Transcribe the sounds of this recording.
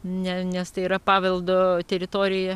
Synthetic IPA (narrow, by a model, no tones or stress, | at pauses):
nʲɛnʲɛst̪ɐɪiːɾɐpɑːʋʲɐlˠd̪ot̪ʲɛɾʲɪt̪oːɾʲɪjɛ